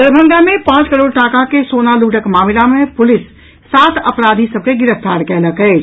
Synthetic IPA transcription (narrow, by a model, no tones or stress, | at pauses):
d̪əɾbʱəŋɡamepãt͡ʃkəɾoɽʈakakesonaluʈəkmamilamepʊlisː | at̪ʰəpɾad̪ʱisəb̚ʱkeɡiɾəpʰt̪aɾkɛləkɛɪ